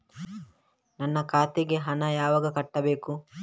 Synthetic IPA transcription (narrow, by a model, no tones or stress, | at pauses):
nɐnːɐkaːt̪eɡeɦɐnɐjaːʋɐɡɐkɐʈːɐbe̞ːku